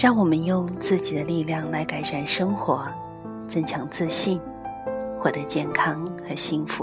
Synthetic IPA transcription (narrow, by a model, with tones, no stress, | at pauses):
ɻɑ˥˩ŋwɔ˨˩mə˦njʊ˥˧ŋt͡sɹ̩˥˩t͡ɕi˨˩d̪ə˦li˥˧ljɑ˥˩ŋla˧˥ɪka˨˩ɪʂa˥˩nʂə˥ŋxwɔ˧˥ | t͡sɤ˥˩ŋt͡ɕʰjɑ˧˥ŋt͡sɹ̩˥˧ɕi˥˧n | xwɔ˥˩t̪ɤ˧˥t͡ɕjɛ˥˩nkʰɑ˥ŋxɤ˧˥ɕi˥ŋfu˧˥˦